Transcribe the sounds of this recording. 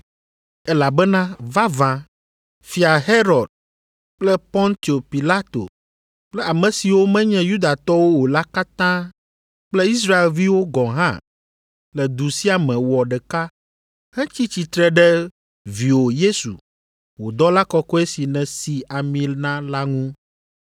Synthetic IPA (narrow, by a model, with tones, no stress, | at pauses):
ɛ˦la˨bɛ˦nã˦va˦vã˨ | fi˨a˨ɦe˦ɾɔ˨d̪̚ | k͡plɛ˦pɔ̃˦nt̪i˨o˨pi˨la˦t̪o̰˨ | k͡plɛ˦a˨mɛ̃˨si˨wo˦mɛ̃˦ɲɛ̃˦ju˦d̪a˨t̪ɔ˦wo˦wo˨la˦ka˦t̪ã˦ | k͡plɛ˦i˦s̬ɾa˦e˨lvi˦wo˦ɡɔ̃˨ɦã̰˦ | lɛ˨d̪u˨si˦a˨mɛ̃˨wɔ˨ɖɛ˨ka˦ | hɛ̃˦t͡ɕi˦t͡ɕi˨t̪ɾɛ˦ɖɛ˦ | vi˨wo˨je˦sṵ˨ | wo˨d̪ɔ˦la˦kɔ˦kɔ˦e˦si˨nɛ̃˨si˨a˨mĩ˦lnã˦la˦ŋũ˦